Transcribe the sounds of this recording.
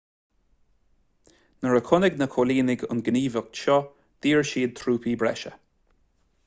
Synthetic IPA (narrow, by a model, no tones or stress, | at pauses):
nəɹəkʰʊnɪɡnəkʰoliːnɪɡʊ̰nɡəniːvək̚tʃɔ | d̪̥iːɹʃiːd̪̚t̪ʰɾuːpʰiːbɹɛʃə̰